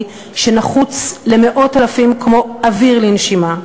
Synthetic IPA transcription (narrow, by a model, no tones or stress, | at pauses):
ʃe̞naχut͡sleme̞ʔo̞talafimkmo̞aviʁlinʃima